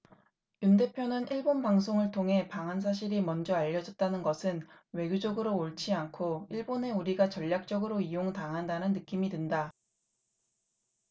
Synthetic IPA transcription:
junde̞pʰjonɯniɭbonbaŋs̬ʰoŋɯɭtʰoŋɦe̞paŋɦans̬ʰaɕ̬ʰiɾimʌnd͡ʑʌaʎːʌd͡ʑʌt̚t͈anɯnɡʌsʰɯnwe̞ɡʲjod͡ʑʌɡɯɾoːɭt͡ɕʰiankʰoiɭbone̞uɾiɡat͡ɕʌʎːak̚t͡ɕ͈ʌɡɯɾoijoŋtaŋɦandanɯnːɯk͈imidwenda

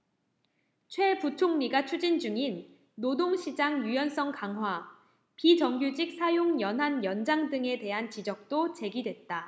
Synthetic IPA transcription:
t͡ɕʰwe̞put͡ɕʰoŋɲiɡat͡ɕʰud͡ʑind͡ʑuŋinː | odoŋɕʰid͡ʑaŋjujʌns͈ʌŋkaŋɦwa | pid͡ʑʌŋɡjud͡ʑik̚sʰajoŋjʌnɦanjʌnd͡ʑaŋdɯŋe̞te̞ɦant͡ɕid͡ʑʌk̚t͈ot͡ɕe̞ɡidwe̞t̚t͈a

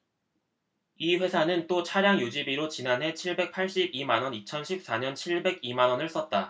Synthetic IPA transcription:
iɸwe̞sʰanɯnt͈ot͡ɕʰaɾjaŋjod͡ʑibiɾot͡ɕinanɦe̞t͡ɕʰiɭbe̞k̚pʰaɭɕ͈ibimanwʌnit͡ɕʰʌnɕʰip̚s͈aɲʌnt͡ɕʰiɭbe̞ɡimanʌnɯɭs͈ʌt̚t͈a

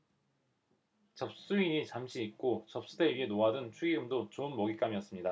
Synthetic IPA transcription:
t͡ɕʌp̚s͈uiɲit͡ɕamɕʰiːt̚k͈ot͡ɕʌp̚s͈udʰeɥiɦe̞noadɯnt͡ɕʰuɡiɡɯmdot͡ɕoɯnmʌɡik͈amiʌs͈ɯmɲida

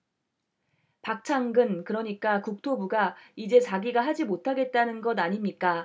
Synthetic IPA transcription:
pak̚t͡ɕʰaŋɡɯnkɯɾʌɲik͈akuk̚tʰobuɡaid͡ʑe̞t͡ɕaɡiɡaɦad͡ʑimotʰaɡe̞t̚t͈anɯnɡʌdaɲimɲik͈a

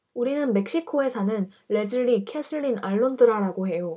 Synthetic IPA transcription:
uɾinɯnme̞k̚ɕ͈ikʰoe̞sʰanɯn | ɭe̞d͡ʑɯɭːikʰesʰɯɭːinaɭːondɯɾaɾaɡoɦe̞jo

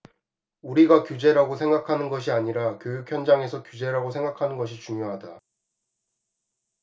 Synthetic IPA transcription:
uɾiɡakjud͡ʑe̞ɾaɡosʰe̞ŋɡakʰanɯnɡʌɕ̬ʰiaɲiɾakjojukʰçjʌnd͡ʑaŋe̞sʰʌkjud͡ʑe̞ɾaɡosʰe̞ŋɡakʰanɯnɡʌɕ̬ʰit͡ɕuŋjoɦada

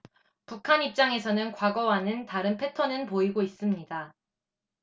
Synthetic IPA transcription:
pukʰaɲip̚t͡ɕ͈aŋe̞sʰʌnɯnkwaɡʌwanɯntaɾɯnpʰe̞tʰʌnɯnpoiɡois͈ɯmɲida

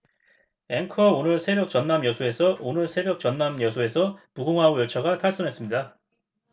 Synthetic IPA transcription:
e̞ŋkʰʌonɯɭsʰe̞bjʌk̚t͡ɕʌnːamjʌsʰue̞sʰʌonɯɭsʰe̞bjʌk̚t͡ɕʌnːamjʌsʰue̞sʰʌpuɡoŋɦaojʌt͡ɕʰaɡatʰaɭs͈ʌnɦe̞s͈ɯmɲida

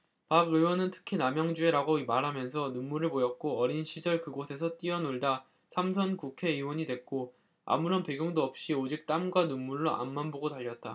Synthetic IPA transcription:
paɡɯwʌnɯntʰɯ̥kʰinamjʌŋd͡ʑue̞ɾaɡoimaɾɦamjʌns̬ʰʌnunːuɾɯɭpojʌk̚k͈oʌɾinɕʰid͡ʑʌɭkɯɡosʰe̞sʰʌt͈iʌnoɭda | sʰamsʰʌnkukʰe̞iwʌɲidwe̞k̚k͈o | a̰muɾʌnpe̞ɡjuŋdoʌp̚ɕ͈iod͡ʑik̚t͈amɡwanunːuɭːoʔa̰nmanboɡotaʎːʌt̚t͈a

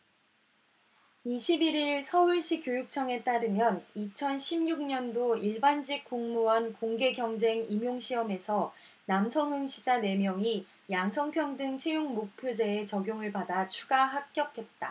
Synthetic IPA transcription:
iɕʰibiɾiɭsʰʌuɭɕ͈ikjojuk̚t͡ɕʰʌŋe̞t͈aɾɯmjʌnit͡ɕʰʌnɕʰimɲuk̚ɲʌndoiɭband͡ʑik̚k͈oŋmuwʌnkoŋɡe̞ɡjʌŋd͡ʑe̞ŋimjoŋɕʰiʌme̞sʰʌ | namsʰʌŋɯŋɕʰid͡ʑane̞mjʌŋi | jaŋsʰʌŋpʰjʌŋdɯŋt͡ɕʰe̞joŋmok̚pʰjod͡ʑe̞ːt͡ɕʌɡjoŋɯɭpadat͡ɕʰuɡaɦak̚k͈jʌkʰe̞t̚t͈a

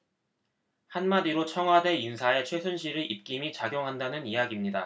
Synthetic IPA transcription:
hanmadiɾot͡ɕʰʌŋɦwade̞insʰae̞t͡ɕʰwe̞sʰunɕʰiɾɯʔip̚k͈imit͡ɕaɡjoŋɦandanɯnijaɡimɲida

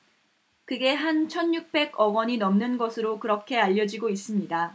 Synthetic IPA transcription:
kɯɡe̞ɦant͡ɕʰʌnjuk̚p͈e̞ɡʌɡwʌɲinʌmnɯnɡʌsʰɯɾokɯɾʌkʰe̞aʎːʌd͡ʑiɡois͈ɯmɲida

